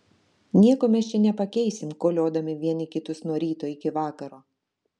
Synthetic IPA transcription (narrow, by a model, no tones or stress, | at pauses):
nʲiɛkoːmʲɛst͡ʃʲɛnʲɛpɐkʲɛɪsʲɪmkoːlʲoːd̪ɐmʲɪʋʲiɛnʲɪkʲɪt̪ʊsnuɔɾʲiːt̪oːjɪkʲɪʋɑːkɐɾoː